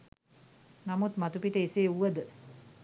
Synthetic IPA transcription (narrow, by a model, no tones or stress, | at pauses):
namut̪mat̪upiʈəiseːuʋəd̪ə